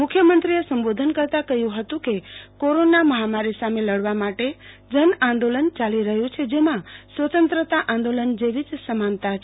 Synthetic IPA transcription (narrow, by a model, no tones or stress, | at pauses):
mʊkʰjəmənt̪ɾiesəmbod̪ʱənkəɾt̪akəɦjũɦət̪ũkekoɾonaməɦamaɾisameləɽʋamaʈe | d͡ʒənãnd̪olənt͡ʃaliɾəɦjũt͡ʃʰed͡ʒemãsʋət̪ənt̪ɾət̪aʔãnd̪olənd͡ʒeʋid͡ʒsəmant̪at͡ʃʰe